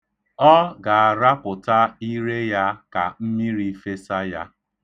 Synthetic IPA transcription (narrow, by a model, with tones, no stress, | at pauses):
ɔ˦ɡa˨a˨ɾa˦pʊ˨ta˦i˦ɾe˦ja˦ka˨m̩˦mi˦ɾi˨˦fe˦sa˦ja˦